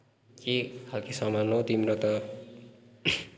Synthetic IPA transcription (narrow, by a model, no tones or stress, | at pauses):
kikʰalkisʌmanot̪imɾʌt̪ʌ